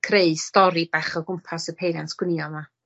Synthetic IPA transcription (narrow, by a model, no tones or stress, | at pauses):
kʰreɨ̥stɔɾibaχɔɡʊmpʰasəpʰejdanskwɪniɔma